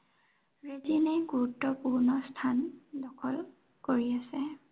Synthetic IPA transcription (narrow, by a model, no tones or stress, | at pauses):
ɹezineɡuɹutːɔpuɹnɔstʰandɔkʰɔl | koɹiasɛ